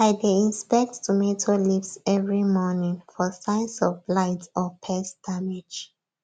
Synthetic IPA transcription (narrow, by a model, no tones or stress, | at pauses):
aɪdeĩnspɛk̚ttumetʰolivsɛvɹimɔnĩŋfɔsãɪ̃nsɔvlaɪtɔpʰɛsd̥amed͡ʒ